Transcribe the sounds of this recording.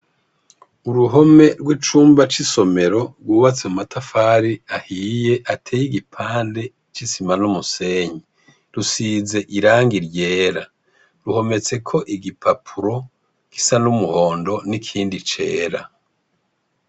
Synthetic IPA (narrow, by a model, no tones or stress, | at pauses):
uɾuɦo̞me̞ɾɡwit͡ʃuːmbat͡ʃiso̞me̞ɾo̞ɾɡwuːβat͡semumatʰafaːɾiahije̞ʔatʰejiɡipʰaːnde̞ | t͡ʃisimanumuse̞ːɲi | ɾusiːze̞ʔiɾaːŋɡiɾje̞ːɾa | ɾuho̞me̞t͡se̞kʰo̞ʔiɡipʰapʰuɾo̞ | ki̥sanumuho̞ːndo̞nikʰiːndit͡ʃe̞ːɾa